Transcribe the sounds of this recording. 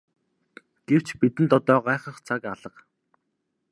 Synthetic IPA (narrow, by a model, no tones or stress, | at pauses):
ɡ̥ew̥t͡ɕpit̪ɘ̆nt̪ɔt̪ɔːɢaːχə̆χt͡sʰakaɮə̆q